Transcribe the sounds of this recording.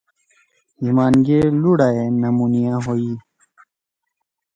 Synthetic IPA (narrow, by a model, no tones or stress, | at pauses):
himaːnɡeluɽaenɐmunijãːɦoi